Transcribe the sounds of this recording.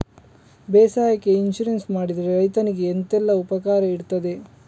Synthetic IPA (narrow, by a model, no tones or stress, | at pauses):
beːsaːjɐkːe̞inʃuɾensmaːɽid̪ɐɾeɾɐjt̪ɐniɡe̞ːnt̪ɛlːɐupɐkaːɾɐiɽt̪ɐd̪e̞